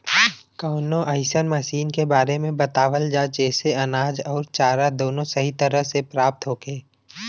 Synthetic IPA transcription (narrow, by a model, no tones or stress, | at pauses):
kɔːnõʔəɪsənmɐʃiːnkebaːɾemẽbɐt̪aːʋəld͡ʒat͡ʃɛːseɐnaːd͡ʒɔːɾt͡ʃaːɾad̪oːnõsɐɦit̪əɾəɦsepɾaːp̚t̪ɦoːkeː